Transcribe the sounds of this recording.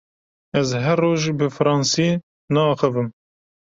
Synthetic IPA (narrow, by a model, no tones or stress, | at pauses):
ɛzɦɛrːoːʒbɨfɨɾɑːnsi | nɑːxɨvɨm